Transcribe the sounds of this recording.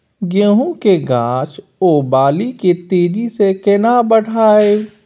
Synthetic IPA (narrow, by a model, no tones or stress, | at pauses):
ɡə̃ɦõkeɡãːt͡ʃ | obaːliket̪eːd͡ʒisekɪnabəɽ̤ʱaːeː